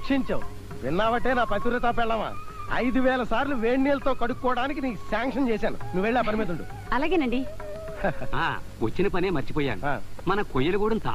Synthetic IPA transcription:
kʂiɲt͡ʃɐwu | ʋinːaːʋɐʈe̞ːnaːpɐt̪uɾɐt̪aːpɛɭːɐma̰ːɐ̰jd̪uʋɛːlɐsaːɾluʋeːɳːiːɐlɐt̪oːkɐɽukːɔːɐɽaːnik̬iniːsaːŋkʂɐnt͡ʃɛːsaːnunuʋːeɭːaːpɐnimeːd̪uɳʈṵ | ɐlaːɡeːnɐɳɖi | a̰ː | ʋot͡ʃːinɐpɐneːmɐɾt͡ʃi̥pɔːja̰ːnaːmɐnɐkojːɐlɐkuːɽɐmt̪a̰

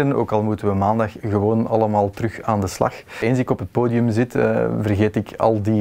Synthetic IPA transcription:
əno̰ːkɑlˠmutənʋəmaːndɑxɣəʋoːnɑləmaːlˠtərɵxaːndəslɑ̰x | eːnsɪkɔpɦət̚poːdiɵmzɪtːvərɣeːtɪkɑ̰lˠdi

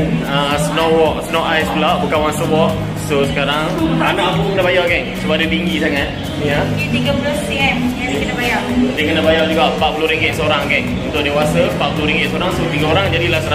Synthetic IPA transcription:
nəsnowɔk̚snɔʔajsblɔʔ̚bukanwansəwɔʔ̚ | sosə̥kaɾaŋanãʔpukənabajakɛnsubaadət̪iŋɡisaŋat̪̚ | nia | diɡəblɔspiɛmjakənabajauʔdiəkənabajard͡ʒuɡaʔpat̪̚puluɾiŋɡɪt̪soɾaŋkɛn | unt̪ʊʔ̚dewasəpatʔ̪pulʊɾiŋɡɪt̪soɾaŋsot̪iɡaoɾaŋd͡ʒadilahsəna

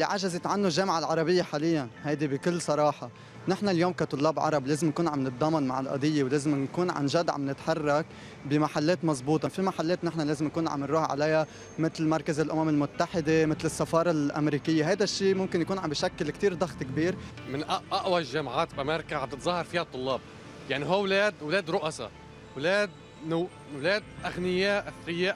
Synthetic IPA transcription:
lːiʕaʒazet̪ʕanːuʒːeːmʕalʕɑɾˤɑbɪjːaħaːlɪjːanhajd̪ibɪkɪlːsˤɑɾˤɑːħɑ | nɪħnaljoːmkat̪ˤʊlːɑːbʕɑ̰ɾˤɑbleːzɪmnkuːnʕamnɨt̪̚d̪ˤɑmːɑnma̰ʕɪlʔɑ̰d̪ˤɪjːewleːzɪmnkuːnʕa̰nʒad̪ʕa̰mnɪt̪ħɑrˤːɑk | bɪmaħalːeːt̪mɑzˤbuːt̪ˤɑfimaħalːeːt̪nɪħnaleːzɪmnakuːnʕa̰mːɪnɾuːhʕa̰laja | mɪt̪lmɑɾˤkazɪlʔʊmamɪlmʊt̪ːaħɪd̪emɪt̪lɪsːafɑːɾˤɑlʔa̰mɾiːkɪjːeɦajd̪aʃːiːmʊmkɪnjakuːnʕambiːʃakːɪlkt̪iːɾd̪ˤɑɣt̪ˤkbiːɾmɪnʔʔaʔwaʒamaʕaːt̪bʔameːɾɪkaʕab̚t̪ɨt̪zˤɑhːɑɾˤfiːhat̪ˤːʊlːɑːb̚ | jaʕniɦuːwleːd̪wleːd̪ɾʊʔasɑ̰ | wleːd̪ | n | wleːd̪̚ʔaɣnɪjeːʔθɪjːeːʔ

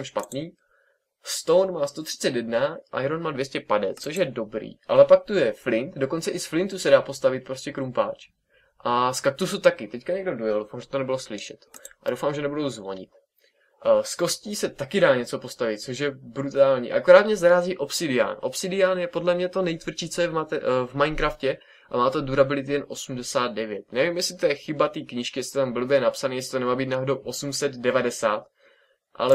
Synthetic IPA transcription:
ɛmʃpat̪niː | st̪ownmaːst̪ot̪r̝̥ɪ̥t͡sɛt̪jɛdnaʔa̰jɾonmaːdvjɛscɛpadɛt̪t͡soʃ̬jɛdo̞bɾḭːʔa̰lɛpak̚t̪ujɛflɪnt̪doko̞nt͡sɛʔɪsflɪnt̪usɛdaːpo̞st̪avɪt̪̚pɾo̞scɛkɾumpaːt͡ʃ | ʔaskak̚t̪usut̪akɪt̪ɛckaɲɛɡdo̞dojɛldowfaːmʒɛt̪onɛbɪloslɪʃɛt̪ʔado̞wfaːmʒɛnɛbudowzvo̞̰ɲɪ̰t̪ | sko̞sciːsɛt̪akɪdaːɲɛt͡so̞po̞st̪avɪt̪̚t͡soʃ̬jɛbɾut̪aːlɲḭːʔa̰koɾaːt̪mɲɛzaɾaːziːʔo̞psɪdɪa̰ːnʔo̞psɪdɪaːnjɛpo̞dlɛmɲɛt̪o̞nɛjt̪vr̩t͡ʃiːt͡sojɛvmavmajnkɾafcɛ | ʔa̰maːt̪oduɾabɪlɪt̪ɪjɛnʔo̞sumdɛsaːd̪̚dɛvjɛt̪nɛvimjɛsɪt̪ojɛxɪbat̪iːkɲɪʃkɪjɛsɪt̪ambl̩bjɛnapsaniːjɛsɪ̥t̪onɛmaːbiːt̪naɦodowʔo̞sumsɛd̪dɛvadɛsaːt̪ | ʔa̰lɛ

